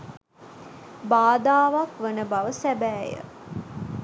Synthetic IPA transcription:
baːd̪aːʋakʋənəbaʋəsæbæːjə̰

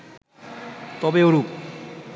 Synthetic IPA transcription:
t̪ɔbeoɾuk

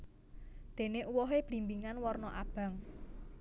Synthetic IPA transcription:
d̪̥e̤neʔuwɔɦeb̥ɾi̤mbiŋanwɔrnɔʔab̥ä̤ŋ

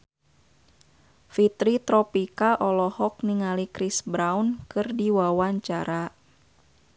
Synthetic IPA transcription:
fit̪ɾit̪ɾɔpikaʔɔlɔhɔk̚niŋalikɾisbɾawnkɨrdiwawaɲt͡ʃaɾa

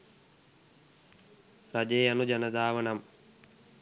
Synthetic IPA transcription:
ɾɐd͡ʒejɐnud͡ʒɐnɐd̪ʱaːʋɐɳɐm

